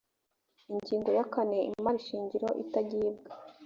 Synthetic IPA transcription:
iɲɟiːŋɡo̞jakane̞ḭmaɾiʃiːɲɟiɾo̞ʔḭtaɟiːb̚ɡa

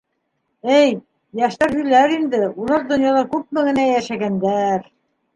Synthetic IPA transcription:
ɘj | jæʃt̪æɾhɵ̆læɾind̪ɘulˠɑɾd̪ŏnjɑlˠɑɾkʉp̚mɘɡɘ̆næjæʃæɡænd̪æɾ

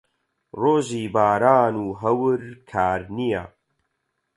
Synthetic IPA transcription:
roːʒiːbaːɾaːnuːɦɐwɨɾkʰaːɾnija̰

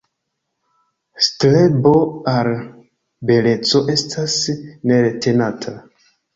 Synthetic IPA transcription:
stlebo̞al | be̞le̞t͡so̞ʔe̞stʰasne̞ɾete̞natʰa

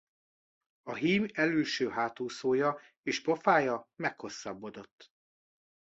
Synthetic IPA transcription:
ɒɦiːmɛlyːʃøːɦaːt̪uːsoːjɒ | eːʃpofaːjɒmɛkho̞sːɒbːo̞d̪o̞t̪ː

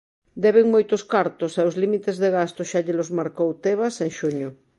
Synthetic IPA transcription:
d̪ɛβeŋmojt̪oskaɾt̪oseozlimit̪ezðeɣast̪ʊʃaʎelozmaɾkowt̪eβaseŋʃuɲʊ

